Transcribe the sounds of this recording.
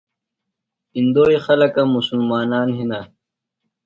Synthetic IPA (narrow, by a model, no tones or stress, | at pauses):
ind̪oːixɐlɐkãːmusulmaːnaːnɦina